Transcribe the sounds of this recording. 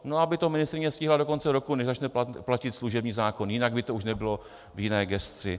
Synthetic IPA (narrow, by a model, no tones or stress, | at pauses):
noabɪt̪omɪnɪst̪ɾɪɲɛfscʲɪːɦlado̞ko̞nt͡sɛɾo̞kunɛʒzat͡ʃnɛplacɪt̪sluʒɛbɲiːzaːko̞njɪnaɡ̚bɪt̪ouʃnɛbɪlo̞ | vjɪnɛːɡɛst͡sɪ